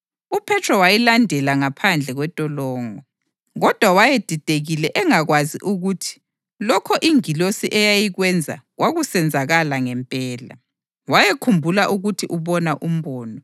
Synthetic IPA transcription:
upʰɛtʰrɔwajilandʱɛlaŋapʰand͡ɮʱɛɣwɛtʼɔlɔːŋɔ | ɣɔd̥ʱwawajed̥ʱid̥ʱeɣilɛʔɛŋaɣwazḭʔuɣutʰi̥ | lɔkʰɔʔiŋilosiʔɛjajiɣwɛnd͡zʱa̰ɣwaɣusɛnd͡zʱaɣalaŋɛmpʼɛːla̰ | wajekʰumbʱulaʔuɣutʰiʔuβɔnaʔum̩βɔːnɔ

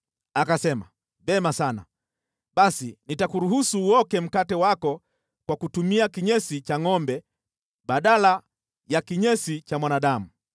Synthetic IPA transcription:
akasɛma | vɛmasana̰ | ɓasinitakuɾuhusuːɔkɛm̩katɛwakɔ | kwakutumiakiɲɛsit͡ʃaŋɔmbɛ | ɓaɗala | jakiɲɛsit͡ʃamwanaɗamu

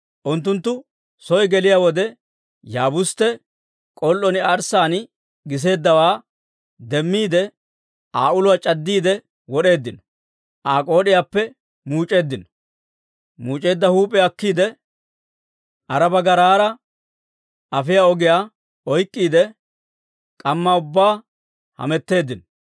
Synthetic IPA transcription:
ʔʊnt̪ːʊnt̪ːʊ | sɔjɡɛlɪjaːwɔd̪ɛ | jaːbʊst̪ːɛ | kʼɔlːɔnɪɐɾsaːn | ɡɪs̬e̞ːd̪ːɐwaː | d̪ɛmːiːd̪ɛ | aːʊlʊwat͡ʃʼɐd̪ːiːd̪ɛ | wɔɗe̞ːd̪ːɪnɔ̥ | ʔaːkʼo̞ːdɪjaːpːɛ | muːt͡ʃʼe̞ːd̪ːɪnɔ | muːt͡ʃʼe̞ːd̪ːɐhuːpʼɛɐkːiːd̪ɛ | ʔɐɾɐbɐɡɐɾaːɾɐ | ʔɐfɪjaɔɡɪjaː | ɔjkʼːiːd̪ɛ | kʼɐmːaːʊbːaː | hɐ̰mɛt̪ːe̞ːd̪ːɪnɔ

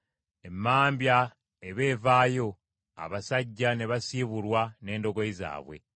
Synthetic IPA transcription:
e̞mːaːmbja | eβe̞ːvaːjo̞ | a̰βasaɟːane̞βasiːβulwane̞ːndo̞ɡo̞iza̰ːβwe̞̰

